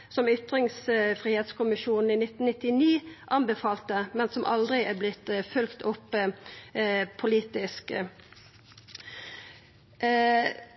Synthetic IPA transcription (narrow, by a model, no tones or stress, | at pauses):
sɔmʏt̪ʁɪŋsfʁiːheːt̪skʊmɪʃuːnn̩iːnɪt̪n̩ɪt̪ɪniːʔɑnbəfɑːlt̪əmɛnsɔmʔɑ̰ld̪ʁɪæblɪt̪fʉlkt̪ʰʊpː | pʰʊliːt̪ɪsk